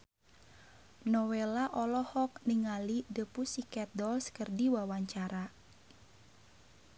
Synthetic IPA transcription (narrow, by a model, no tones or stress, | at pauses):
nɔwelaʔɔlɔhɔk̚niŋalidəpusikɛt̪̚dɔlskərdiwawaɲt͡ʃaɾa